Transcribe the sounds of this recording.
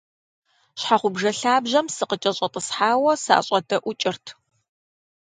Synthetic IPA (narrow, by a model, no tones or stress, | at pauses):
ɕħaχʷʊbʒɐɬaːbʑɐmsɨqət͡ʃʼɐɕʼɐtʼəsħaːwɐsa̰ːɕʼɐdɐʔʷʊt͡ʃʼɪrtʰ